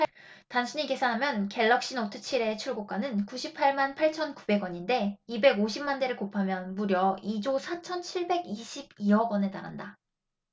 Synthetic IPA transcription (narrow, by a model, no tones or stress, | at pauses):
tanɕʰiɲike̞sʰanɦamjʌnke̞ɭːʌk̚ɕ͈inotʰɯt͡ɕʰiɾe̞t͡ɕʰuɭɡok͈anɯnkuɕʰipʰaɭmanpʰaɭt͡ɕʰʌnkube̞ɡwʌɲinde̞ibe̞ɡoɕʰimːande̞ɾɯɭkopʰamjʌnmuɾjʌid͡ʑosʰat͡ɕʰʌnt͡ɕʰiɭbe̞ɡiɕʰib̚iʌɡwʌne̞ta̰ɾa̰nda